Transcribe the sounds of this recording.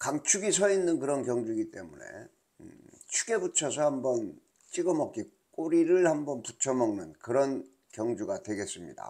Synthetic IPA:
kaŋt͡ɕʰuɡisʰʌinːɯnkɯɾʌnkjʌŋd͡ʑuɡit͈e̞mune̞̰ | t͡ɕʰu̥ɡe̞but͡ɕʰʌsʰʌhambʌn | t͡ɕ͈iɡʌmʌk͈̚i | k͈oɾiɾɯɭhambʌnput͡ɕʰʌmʌŋnɯnkɯɾʌn | kjʌŋd͡ʑuɡatwe̞ɡe̞s͈ɯmɲḭda̰

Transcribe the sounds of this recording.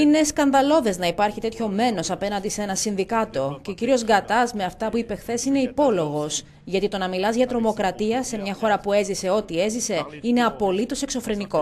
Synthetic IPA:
ine̞skɐnðɐlo̞ðe̞znɐipɐɾçit̪e̞t̪ço̞me̞no̞sɐpe̞nɐnd̪ise̞nɐsinðikɐt̪o̞ceociɾio̞zɡɐt̪ɐzme̞ɐft̪ɐpuipe̞xθe̞sine̞ipo̞lo̞ɣo̞s | ʝɐt̪it̪o̞nɐmilɐzʝɐt̪ɾo̞mo̞kɾɐt̪iɐse̞mɲɐxo̞ɾɐpue̞zise̞o̞t̪ie̞zise̞ine̞ɐpo̞lit̪o̞se̞kso̞fɾe̞niko̞

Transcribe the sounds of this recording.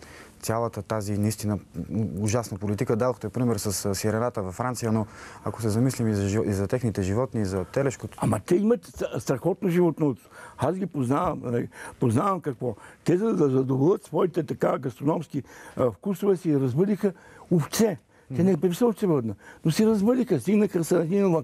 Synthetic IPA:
t̪sʲjalˠət̪ət̪azinɐist̪inəʊʒasnəpolit̪ikəd̪ad̪oxt̪ɛpɾimɛɾsɐssiɾɛnat̪əvɐfɾant̪sijənoako̥sɛzɐmislimizʒizɐt̪ɛxnit̪ɛʒivɔt̪niːzɐt̪ɛlɛʃkoamɐt̪ɛimɐt̪st̪ɾɐxɔt̪noʒivɔt̪not̪azɡʲipoznavəmnɐlipoznavɐmkɐkvɔt̪ɛzɐzɐzɐd̪ovlˠət̪svɔit̪ɛt̪ɐkaɡɐst̪ɾonɔmskifkusovɛsiɾɐzbəd̪ixəoft̪sɛ | t̪ɛnɛpɛvisəfsɛbəd̪nənosiɾɐzbəd̪ixəst̪iɡnəxəsɐnɐt̪inɐlˠə

